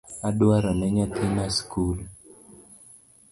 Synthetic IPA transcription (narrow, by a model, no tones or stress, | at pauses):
adwaɾanɛɲat̪ʰinaskul